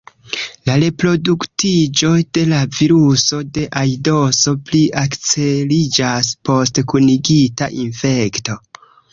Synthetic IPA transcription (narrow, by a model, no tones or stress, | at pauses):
laɾe̞pɾo̞duktid͡ʒo̞jd̥e̞laviɾuso̞de̞ʔajdo̞so̞pliʔakt͡se̞lid͡ʒaspo̞stkuniɡita̰ʔinfe̞kto̞